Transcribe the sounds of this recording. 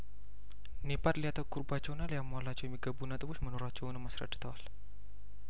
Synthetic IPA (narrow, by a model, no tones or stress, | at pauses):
nipat̪liat̪akurbat͡ʃonaliamualat͡ʃomiɡabunat̪əbusmənoɾat͡ʃonamasɾa̰di̥t̪ɔl